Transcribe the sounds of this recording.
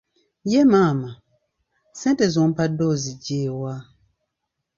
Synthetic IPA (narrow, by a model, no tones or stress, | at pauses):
jɛmaːma | sɛ̃ntɛzɔ̃mpadɔzid͡ʒeːwaː